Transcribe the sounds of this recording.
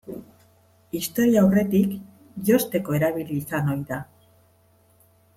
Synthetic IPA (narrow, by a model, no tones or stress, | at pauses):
ist̪o̞ɾiaawre̞t̪ik | jo̞st̪e̞ko̞e̞ɾaβ̞iliːsano̞jða